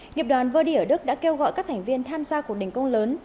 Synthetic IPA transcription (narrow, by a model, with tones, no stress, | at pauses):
ŋi˨˩əp̚ɗwaː˨˩nvəː˨˧˩ɗi˧ʔəː˧˩ɗɨ˦˥k̚ɗa̰ː˧˥ke˧wɣɔ̰˧˨jkaː˦˥k̚t̪ʰa˨˩ŋ̟vi˧ənt̪ʰaː˧mzaː˧ku˨˩k̚ɗï˨˩ŋ̟kə˧wŋ͡mləː˨˦n